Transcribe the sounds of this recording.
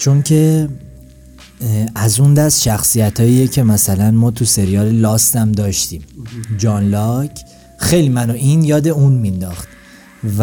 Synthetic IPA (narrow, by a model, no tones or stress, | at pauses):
t͡ʃʰo̞ncʰe̞ | æzund̪æst̪ʃæxsijæt̪ʰɒːjiːjecʰe̞mæsælænmɒːt̪ʰuse̞ɾijɒːɾelɒːst̪æmd̪ɒːʃt̪iːmd͡ʒɒnlɒcʰ | xe̞jlimænoʔinjɒːd̪e̞unmind̪ɒxt̪̚ | v